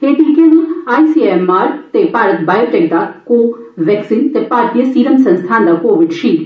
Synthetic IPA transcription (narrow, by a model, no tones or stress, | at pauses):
ɦeːʈikeñiaːjsiemaːɾkt̪epaːɾət̪baːjoʈek̚d̪akoʋɛːksint̪epaːɾt̪ijəsiːɾəmsə̃nst̪ʰaːnd̪akoːʋɪɖt͡ʃʰi